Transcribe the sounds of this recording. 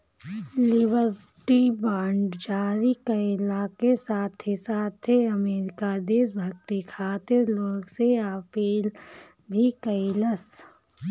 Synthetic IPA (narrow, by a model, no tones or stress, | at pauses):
lɪbəɾ | ʈibaːɳɖd͡ʒaːɾikəɪlakesaːt̪ʰːesaːt̪ʰːeɐmeːɾɪkad̪eːsbʱəɡ̚t̪ikʰaːt̪ɪɾloːɡseəpiːl | bʱikəɪləs